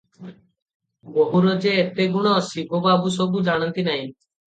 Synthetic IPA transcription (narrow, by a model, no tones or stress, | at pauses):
boɦuɾod͡ʒeːt̪eɡuɽ̃ɔːsibobabus̬ɔbud͡ʒaɽ̃ɔnt̪inaɦĩ